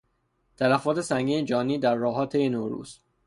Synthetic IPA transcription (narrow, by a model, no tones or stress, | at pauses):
t̪ʰælæfɒːt̪ʰe̞sæŋɡiːned͡ʒɒːniːd̪æɾːɒːɦɒːt̪ʰejenoɾṵːz̥